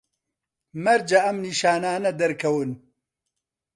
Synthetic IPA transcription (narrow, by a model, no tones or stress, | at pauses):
mɐɾd͡ʒɐʔɐmniːʃaːnaːnɐd̪ɐɾkʰɐwɨn